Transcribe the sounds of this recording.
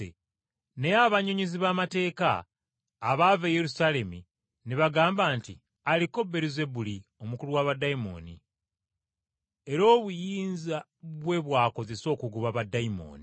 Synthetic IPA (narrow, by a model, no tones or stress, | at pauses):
ḛ | neaβaɲoɲiziβamate̞ːka̰ː | βavejeɾusale̞mḭ | niβaɡaːmbaːnti | aliko̞beɾize̞bulio̞mukuluwaβadaimo̰ːnḭ | e̞ɾo̞ːβujiːnza | βwe̞βwaːko̞ze̞so̞ːkuɡuβaβadaimo̰ːni